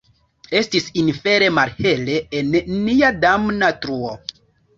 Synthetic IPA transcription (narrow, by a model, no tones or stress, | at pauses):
e̞stisinfe̞ɾe̞malhe̞le̞ːnːiadamnatɾuo